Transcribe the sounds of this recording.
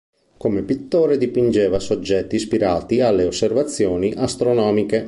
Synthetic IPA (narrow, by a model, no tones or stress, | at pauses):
komepit̪ːoːɾed̪ipind͡ʒɛːvasod͡ʒːɛt̪ːispiɾaːt̪ialːeosːervat̪sːjoːniʔast̪ɾonɔːmike